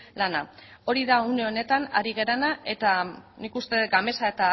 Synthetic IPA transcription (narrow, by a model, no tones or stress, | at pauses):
lanao̞ɾiðauneo̞ne̞t̪ana̰ɾiɣe̞ɾanae̞t̪anikust̪e̞ɡame̞sae̞t̪a